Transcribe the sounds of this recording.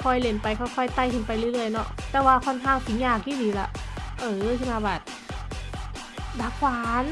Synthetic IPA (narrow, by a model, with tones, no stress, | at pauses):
kʰɔ˧˩jle˧˦npa˧jkʰɔː˧˩jkʰɔ˧˩jt̪a˧˩jtʰɯ˨˦npa˧jlɯ˧˩˦lɯ˧˩əjnɔ˧ʔt̪ɛː˧˩waː˧kʰɔ˧˥˨nkʰaː˧˩˨ŋsi˨˦ɲaː˧˩k̚jiː˧˥˨diː˨˦la˧˩ʔʔɤː˧˩kʰɯ˧˨maː˧˩bɛː˨˩t̪̚ | daː˧˩kʰwaː˨˧˦n